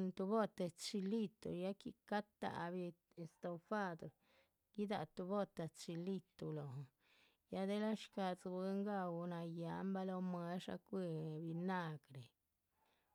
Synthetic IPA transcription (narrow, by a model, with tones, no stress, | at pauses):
nt̪u˧bo˦t̪e˧t͡ʃi˧li˦˧t̪ṵ˨ja˦kḭ˧ka˦t̪a̰˨bi˧ | e˧st̪o˧fa˦d̪o˨ | ɡ̥i˦d̪a̰˧˨t̪u˧bo˦t̪a˨t͡ʃi˧li˦˧t̪u˨lo˨ | ja˦d̪e˦la˦ʃka˧t͡sbi˧˦ŋɡa˧wna˧ja˨˦mba˦lo˧mwe˧˦ʂa̰˧kʷi˧bi˧na˦˧ɡɾe˨